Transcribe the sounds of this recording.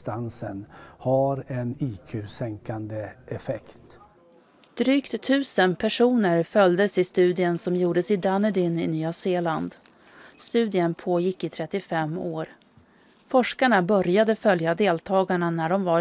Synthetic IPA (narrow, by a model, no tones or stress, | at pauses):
t̪ansənhaɾɛniːkʰʉːsɛŋkand̪əɛfɛkt̪ | d̪̥ɾyːkt̪ʰːʉ̟ːsənpʰæʂuːnəɾfœld̪əsɪst̪ʉ̟ːd̪ɪənsɔmjuːɖəsɪd̪anəd̪ɪnɪnyːaseːland̪ | st̪ʉ̟ːd̪ɪənpʰoːjɪkːɪt̪ʰɾɛt̪ːɪfɛmːoːɾ | fɔʂkaɳabœɾjad̪əfœljad̪eːlt̪ʰɑːɡaɳanæɖɔmva